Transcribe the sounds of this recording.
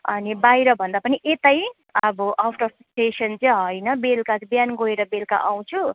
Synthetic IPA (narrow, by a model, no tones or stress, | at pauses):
ʌ̰nibajɾʌbʱʌnd̪apʌniʔet̪ʌj | ʌbʌʔʌpʰʈʌrsʈesʌnt͡sʌjɦʌjnʌbelkat͡sʌbjanɡoeɾʌbelka̰ʔaw̃t͡sʰu